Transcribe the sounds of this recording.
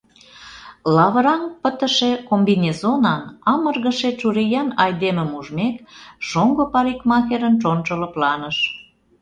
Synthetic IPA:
lɑβəɾɑnpət̪ə̆ʃekombinʲezonɑnɑmərɣə̆ʃet͡ʃuɾejɑnɑjd̪emə̆muʒmekʃoŋɡopɑɾikmɑxeɾənt͡ʃont͡ʃələ̆plɑnəʃ

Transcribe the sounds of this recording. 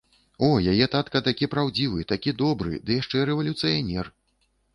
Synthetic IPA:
ɔjajɛt̪at̪kɐt̪akʲipɾawd͡zʲivɨt̪akʲid̪ɔbɾɨ̰d̪ɨjaʂt͡ʂɛɾɛvɐlʲut̪sɨjanʲɛr

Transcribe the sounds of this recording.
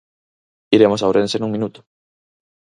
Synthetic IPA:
iɾemosawɾensenũŋmĩnut̪ʊ̥

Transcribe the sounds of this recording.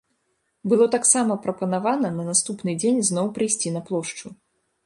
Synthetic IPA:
bɨlˠɔt̪aksamɐpɾɐpɐnavanɐnɐnast̪upnɨd͡zʲenʲznɔwpɾɨjsʲt͡sʲinɐplˠɔʂt͡ʂu

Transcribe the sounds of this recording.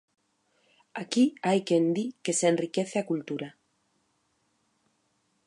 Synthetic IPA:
akiajkend̪ike̞senrikeθeakult̪uɾa

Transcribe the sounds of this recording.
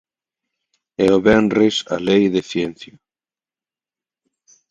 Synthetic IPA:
ɛoβɛnresa̰lejðeθjen̟θjo

